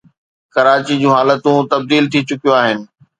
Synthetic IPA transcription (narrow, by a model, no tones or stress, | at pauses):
kɐɾaːt͡ɕid͡ʑũːɦaːlət̪ũt̪ɐb̚d̪iːlt̪ʰit͡ɕʊkijoaːɦɪnɪ̆